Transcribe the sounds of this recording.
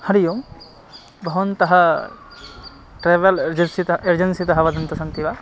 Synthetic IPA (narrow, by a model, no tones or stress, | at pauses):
hɐɾijõ | bʱɐʋɐnt̪ɐɦɐ | ʈɾeːʋɐlɾd͡ʒɐnsieɾd͡ʒɐnsit̪ɐɦɐʋɐd̪ɐnt̪ɐsɐnt̪iʋa